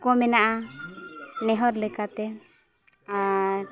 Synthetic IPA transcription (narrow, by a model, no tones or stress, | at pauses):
kɔmɛnaʔa | nɛɦɔɾlɛkat̪ɛ | aɾ